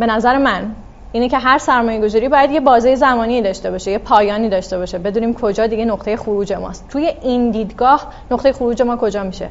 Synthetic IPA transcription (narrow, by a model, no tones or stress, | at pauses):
b̥e̞næzæɾemæn | iːnecʰeɦæɾsæɾmɒːje̞ɡo̞zɒːɾiːbɒːjæd̪je̞bɒːziːjezæmɒːniːd̪ɒːʃt̪e̞bɒːʃejepʰɒːjɒːniːd̪ɒːʃt̪e̞bɒːʃebe̞d̪uːniːmkʰod͡ʒɒːd̪iɡe̞noqt̪eje̞xuɾuːd͡ʒe̞mɒ̰ːst̪t̪ʰuːje̞ʔind̪iːd̪ɡɒːh | noqt̪e̞je̞xoɾuːd͡ʒe̞mɒːkʰo̞d͡ʒɒːmiʃe̞̰